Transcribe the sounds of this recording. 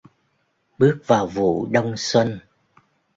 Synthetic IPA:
ɓɨ˦˥ək̚vaː˨˩wvṵ˧˨ɗə˧wŋ͡mswə˧n

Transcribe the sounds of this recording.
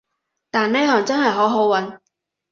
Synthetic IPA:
t̪aː˨nne˥jhɔː˨˩ŋt͡sɐ˥ŋɦɐ˨jɦo˨˥wɦo˨˥wwɐ˨˥n

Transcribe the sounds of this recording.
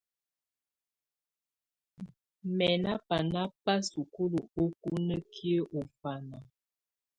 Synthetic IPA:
mɛ˨na˦pa˨na˦pa˦su˨ku˦lu˨o˦ku˦nə˦kʰi˦ə˦ʔo˨fa˨na˨

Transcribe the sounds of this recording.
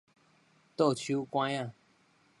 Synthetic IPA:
t̪o˥˨t͡ɕʰu˦kwã˦a˥˨

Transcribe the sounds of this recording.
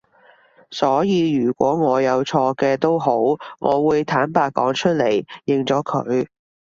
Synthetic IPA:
sɔː˨˥jiː˧jyː˨˩kʷɔː˨˥ŋɔː˨˧jɐ˨˧wt͡ʃʰɔː˧kɛː˧t̪o˥wɦo˨˥wŋʔɔ̰ː˨˧wuː˨˧jt̪ʰaː˨˥npaː˧t̚kɔ̰ː˨˥ŋt͡ʃʰɵ˥t̚le˨˩jːɪ˨ŋt͡sɔː˨˥kʰɵ̰˨˧ɥ

